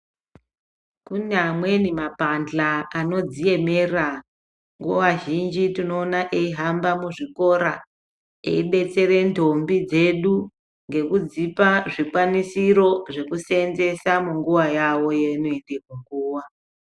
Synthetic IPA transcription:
kunamwe̞nimapanɮaːno̞d͡zije̞mera | ŋɡowaʒind͡ʒitino̞ːnaʔeiɦambamuʐiko̞ɾa | ḛiɓe̞t͡se̞ɾe̞ndʱo̞mbid͡ze̞ɗu | ŋɡe̞kud͡zipaʐikwanisiɾo̞ʐe̞kusenze̞samuŋɡuwajawo̞jenoendekuŋɡuːwa

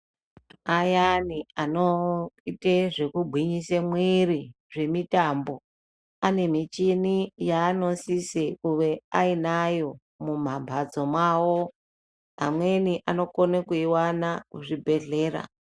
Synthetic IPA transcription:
ajanianoiteʐe̞kubʱiɲisemwiri | ʐe̞mitambo̞ | ane̞mit͡ʃinijaːno̞sisekuʋe̞ainajo̞ | mum̤abʱad͡zo̞mwawo̞ | ɦa̰mwe̞niʔano̞konekuiwanakuʐibʱe̞ɮe̞ːɾa̰

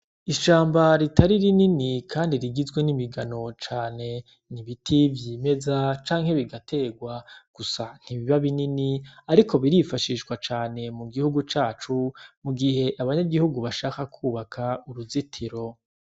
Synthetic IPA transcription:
iʃaːmbaɾitaɾiɾininikʰaːndiɾiɡizɡwenimiɡano̞t͡ʃaːne̞ | niβitʰivjiːme̞zat͡ʃaːŋhe̞βiɡatʰe̞ːɡwaɡ̥usan̥hiβiβaβininiaɾikʰo̞βiɾifaʃiʃɡwat͡ʃaːne̞muɡihuɡut͡ʃaːt͡ʃumuɡiɦe̞ʔaβaɲaɡihuɡuβaʃaːkakʰuːβakʰauɾuzitʰiɾo̞

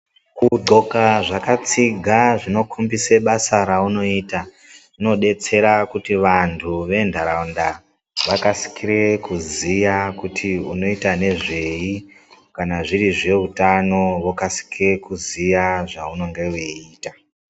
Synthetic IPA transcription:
kuɡ͡ǃʱo̞kaʐakat͡siɡʱaʐino̞kʰumbiseɓasaɾauno̞iːta | ino̞ɗe̞t͡se̞ɾakutiʋantʰuʋe̞ndʱaɾaunda | ʋakasi̥kiɾe̞kuzijakutʰiuno̞itane̞ʐe̞i | kanaʐiriʐe̞utano̞ʋokasi̥kire̞kuzijaʐauno̞ŋɡe̞weiːta

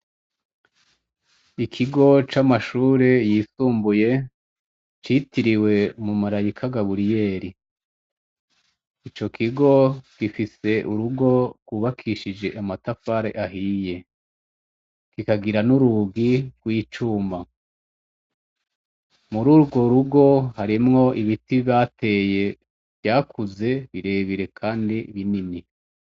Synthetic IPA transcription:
ikʰiɡo̞t͡ʃamaʃuːɾe̞jisuːmbuje̞ | t͡ʃitiɾiwe̞mumaɾajikʰaɡaβuɾije̞ːɾi | it͡ʃo̞kʰiɡo̞ɡ̥ifise̞ʔuɾuɡo̞ɾɡwuːβakʰiʃid͡ʒe̞ʔamatafaɾe̞̰ʔaɦije̞ | kikaɡiɾanuɾuɡiɡ̥wiːt͡ʃuːmba | muɾuːɾɡo̞ɾuɡo̞haɾimŋo̞ʔiβitiaːte̞ːje | v̥jaːkʰuze̞βiɾe̞βiɾe̞kʰaːndiβinini

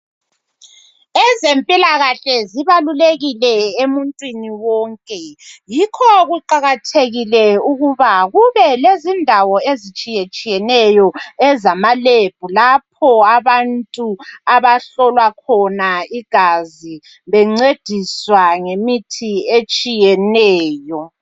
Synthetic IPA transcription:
ɛzempʼilaɣaɬɛziβaluleɣilɛemuntʼwiniwɔːŋkʼɛjikʰɔɣuǃaɣatʰeɣilɛuɣuβaɣuβɛlezindʱawɔezit͡ʃʼijet͡ʃʼijɛnɛjɔɛzamaleb̥ʱulap̚ʰɔaβantʼuaβaɬɔlwakʰɔnaiɡ̥ʱazi | βɛŋ͡ǀed̥ʱiswaŋemitʰiet͡ʃʼijɛnɛːjɔ

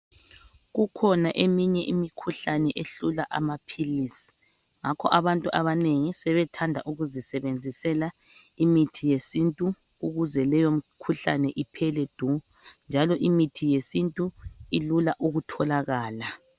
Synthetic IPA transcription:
ɣukʰɔnaʔemiɲɛʔimikʰuɬanɛʔeɬulaʔa̰mapʰilisi̥ | ŋakʰɔʔaβantʼuʔaβaneŋisɛβɛtʰandʱa̰ʔuɣuzisɛβend͡zʱisɛla | imitʰijesintʼu | uɣuzɛlɛjom̩kʰuɬanɛʔipʰɛlɛd̥ʱu | nd͡ʒʱalɔʔimitʰijesintʼuilulaʔuɣutʰɔlaɣaːla

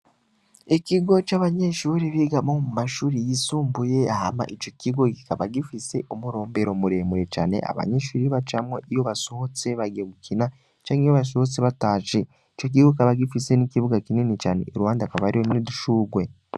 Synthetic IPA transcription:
iciɡo̞t͡ʃaːβaɲe̞ʃuːɾiβiɡamomumaʃuːɾijisuːmbuje̞ahama̰ʔit͡ʃo̞ciɡo̞ɡikaβaɡifise̞ʔomuɾo̞ːmbe̞ɾo̞muɾe̞ːmuɾe̞t͡ʃa̰ːne̞̰ʔa̰βa̰ɲe̞ʃuːɾiβat͡ʃamweʔijo̞βaso̞hot͡se̞βaɡeβukina | t͡ʃaːɲijoβas̬ohot͡seβataːʃe | it͡ʃok̬iɡoikaβaɡifise̞nikiβuɡakininit͡ʃaːne̞̰ːɾuwaːndakaβaɾihoniduʃuːɡwe̞

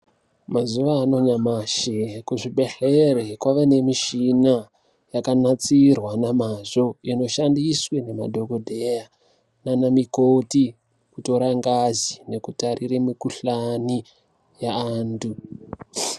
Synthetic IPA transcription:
mazuʋaːno̞ɲamaʃekuʐiɓe̞ɬerekwaʋene̞miʃina | jakanat͡sirwanamaʐo̞ino̞ʃandiswene̞ma̰dʱo̞kodʱeja | nanamikoti | kuto̞ɾaŋɡazine̞kutariremikuɬani | jaaːndu

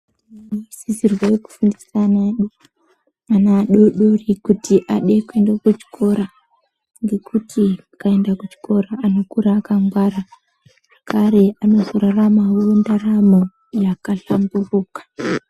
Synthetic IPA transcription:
sizirwajeku̥fundisanaɗo | anaɗoɗorikutiʔaɗe̞kue̞ndakut͡ʃi̥kʰo̞ɾa | ŋɡe̞kʰutʰiakae̞ndakut͡ʃi̥ko̞ɾaːno̞kuɾaːkaŋɡwaɾa | ʐ̥akʰaɾe̞ano̞zo̞ɾaramawuundaramo | jakaɬamburuːkḁ

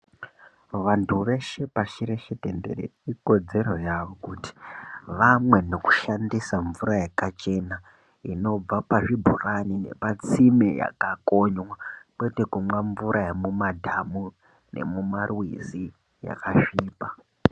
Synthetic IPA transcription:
ʋantʰuʋe̞ʃe̞paʃiɾe̞ʃetendḛrḛiko̞d͡ze̞ɾo̞jaʋo̞kuti̥ʋamwe̞no̞ku̥ʃandisaɱvuɾajakat͡ʃe̞na | ino̞b͡vapaʐibʱuranine̞̰pat͡simeja̰kako̞ɲwakwete̞kumwaɱvuɾʔajamumadʱamu | ne̞̰mumarwḭzi | ja̰kaʃiːpa

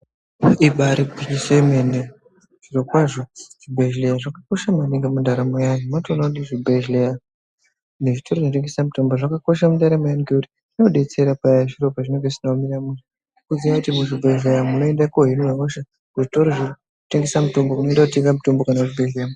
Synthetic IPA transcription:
iɓaɾiisemene | ʐ̥iɾo̞kwaʐoʐ̥ibʱeʒlejaʐakako̞ʃamaneŋɡamundaɾamojajomantonaniʐibeʒleja | neʐito̞rɾoʐinoteŋɡesamuto̞mboʐakako̞ʃamundaɾamajaniɡeuti | no̞ɗe̞t͡se̞ɾapajaʐiropaʐineŋɡesinamiɾamuni | kuziʋakutimuʐibʱeʒlejamuno̞endakoɦinojamoʃa | kuʐito̞ɾoʐo | uteŋɡe̞samuto̞mbomuno̞endakuteŋɡamuto̞mbokanauʐibʱeɮlejam

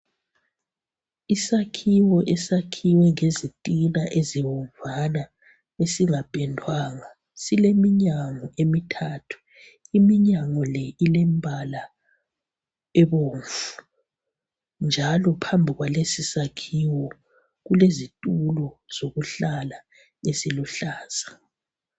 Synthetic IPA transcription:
isakʰiwɔʔɛsakʰiwɛŋezitʼinaʔeziwɔɱvʱana | esiŋab̥ʱʼɛndʱwaːŋa | silemiɲaŋɔemitʰaːtʰu̥ | imiɲaŋɔlɛilɛmbʱala | ɛβoːɱvu | nd͡ʒʱalɔpʰambʱiɣwalesisakʰiwɔ | ɣulezitʼulɔz̥oɣuɬala | esiluɬaːz̥a

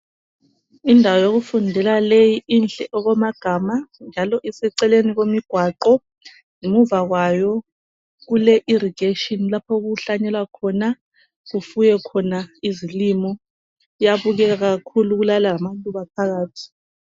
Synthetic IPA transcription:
indʱawajoɣufundʱɛlalejiinɬʼɛʔɔɣɔmaɡ̥ʱamand͡ʒʱalɔʔɛsɛǀɛleniɣomiɡ̥ʱwaǃɔ | ŋemuvaɣwajɔ | ɣulɛʔiɾiɡ̥eʃɔnlapʰɔɣuɬaɲɛlwakʰɔna | ɣufujɛkʰɔnaizilimɔ | ijaβuɣɛɣaɣakʰuluɣulalaamalʼuβapʰaɣaːtʰi̥

